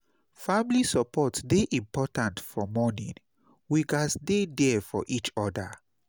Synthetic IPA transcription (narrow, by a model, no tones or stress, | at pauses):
familisɔpʰɔtdeʔĩmpɔtãntfɔmɔnḭ̃n | wiɡasdedɛfɔ̰ʔit͡ʃɔda̰